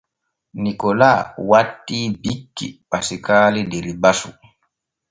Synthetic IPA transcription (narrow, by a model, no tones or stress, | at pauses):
nikɔlaːwatːibikːḭpasikaːlideɾibasṵ